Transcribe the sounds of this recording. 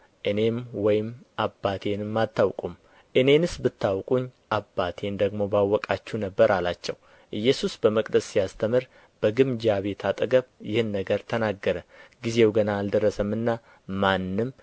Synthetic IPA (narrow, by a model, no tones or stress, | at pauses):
ʔɨne̞mwɔjɪmʔabːat̪ʰe̞nɨmːat̪ʰːawkʼum | ʔɨne̞nɨsbɨt̪ːawkʼuɲːʔabːat̪ʰe̞nd̪əɡmo̞bawːɔkʼat͡ʃːunəbːəɾalat͡ʃːɛ̰w | ʔɨjːɛsusbəməkʼd̪əssijast̪ʰəmɨɾ | b̥əɡɨmd͡ʒaβe̞t̪ʰat̪ʼɨɡəβjɪhɨnːəɡəɾt̪ʰənaɡːəɾəɡize̞wɡənaːld̪əɾːəsəmːɨnːa | manːɨm